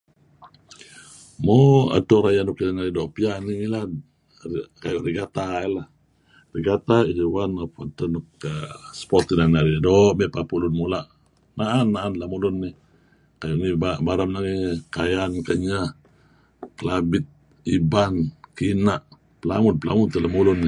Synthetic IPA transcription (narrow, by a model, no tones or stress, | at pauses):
moa̰toɾajanɔkilanaɾidɔʔpianiŋila | ikajuʔɾiɡat̪ailah | riɡat̪aiwanapatanɔkspɔt̪inaniaɾidɔʔmɛʔpapulunmulaʔ | naʔanːaʔanlamulunːi | kajuʔnibabaɾamnaŋikajankaɲa | kəlabɪt̪̚ | ibankinaʔ | pəla̰ŋʊnpəla̰ŋʊnt̪əlamulʊnː